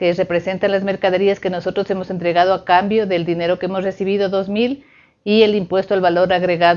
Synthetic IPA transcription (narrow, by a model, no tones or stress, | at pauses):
kere̞pɾe̞se̞nt̪anlazme̞ɾkaðe̞ɾiaske̞no̞so̞t̪ɾo̞se̞mo̞se̞nt̪ɾe̞ɣað̞oakambjo̞ðe̞ld̪ineɾo̞keemozre̞siβiðoðo̞zmil | ie̞limpwe̞st̪oalβalo̞ɾaɣɾe̞ɣað